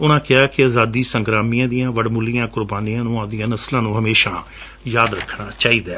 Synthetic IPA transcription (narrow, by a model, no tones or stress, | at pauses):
ʊnãːkɪaːkɪaːzaːd̪iːsəŋɡɾaːmijãːd̪ɪjãːʋəɖmʊlijãːkʊɾbaːnijãːnũːãːd̪ɪjãːnəslãːnũːɦəmeːʃãː | jaːd̪ɾəkʰːnaːt͡ʃaːiːd̪aː